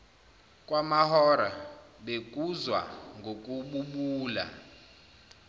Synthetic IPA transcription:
kʼwamahɔɾaɓek̬ʼuzwa̰ŋɡʱokʼuɓuɓuːla̰

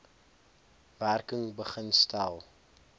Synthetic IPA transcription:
værkəŋbəχənstælˠ

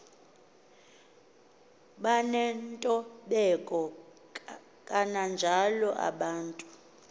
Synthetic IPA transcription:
ɓanɛntʼɔɓɛkʼɔ | kʼanand͡ʒʱalɔʔa̰ɓaːntʼu̥

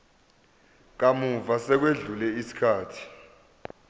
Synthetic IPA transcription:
k̬amuvasɛk̬weɮulɛisi̥kʰaːtʰi̥

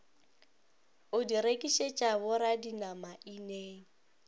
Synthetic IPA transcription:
ʊdiɾekʼiʃet͡ʃʼabʊɾadinamaʔineːŋ̩

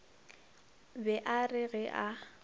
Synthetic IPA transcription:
bɛʔarɪɣɛʔa

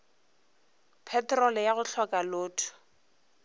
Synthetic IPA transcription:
pʰɛtrɔlɛjaɣʊɬʰɔkʼalʊːtʰʊ̥

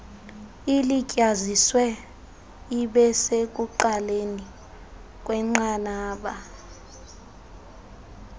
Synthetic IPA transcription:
ilicʼaziswɛ | iɓɛsek̬ʼuǃaleni | k̬ʼwɛŋ͡ǃanaːɓa

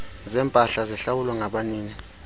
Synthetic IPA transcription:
zɛmpʼaɬazɛɬawulwaŋaɓaniːni

